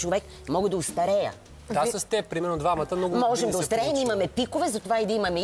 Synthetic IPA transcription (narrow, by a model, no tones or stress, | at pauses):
t͡ʃovɛk | mɔɡəd̪ɐʊst̪ɐɾɛjə̰̥ | asɐst̪ɛpɾʲimɛɾnod̪vamɐt̪əmnɔɡmɔʒɛmd̪ɐʊst̪ɐɾɛjɛmimɐmɛpikovɛzɐt̪ovaid̪ɐimɐmɛ